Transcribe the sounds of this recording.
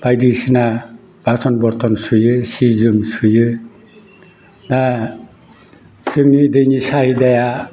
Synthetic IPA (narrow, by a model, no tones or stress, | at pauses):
bajdisina | b̥asɔnbɔɾt̪ʰɔnsujɯsizɯmsujɯ | da | z̥ɯŋnidɯjnisahidaja